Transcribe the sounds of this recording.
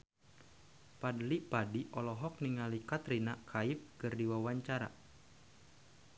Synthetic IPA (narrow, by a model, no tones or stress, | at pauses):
padlipadiʔɔlɔɦɔk̚niŋalikat̪ɾinakʰaip̚kɨrdiwawaɲt͡ʃaɾa̰